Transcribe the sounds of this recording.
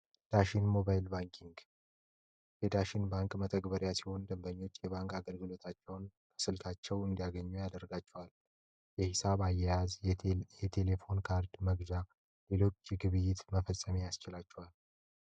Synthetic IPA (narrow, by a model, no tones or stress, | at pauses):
d̪̥aʃinmo̞bajlbaŋkʰiŋɡ | jɛd̪aʃɪnbaŋkʼmət̪ʰəɡbəɾjasiho̞nd̪ɨmbəɲːo̞t͡ʃːjɛβaŋkaɡəlɡɨlo̞t̪ʰat͡ʃːɛwnkʰə̥sɨlt̪ʰat͡ʃːɛwɨnd̪ijaɡəɲːujad̪ərɡat͡ʃːɛwal | jɛhisaβajːɛjazjɛt̪ʰe̞le̞fo̞nkʰaɾd̪məɡd͡ʒa | le̞lo̞t͡ʃːjɛɡɨβɨjːɪt̪məfəsʼːəmijast͡ʃɪlat͡ʃːɛwal